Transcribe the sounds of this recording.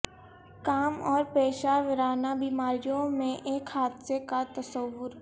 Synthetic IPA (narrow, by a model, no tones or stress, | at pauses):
kaːmɔːɾpeːʃaʋɪɾaːnabiːmaːɾijõmẽʔeːkhaːd̪sekat̪ɐsəʋːʊɾ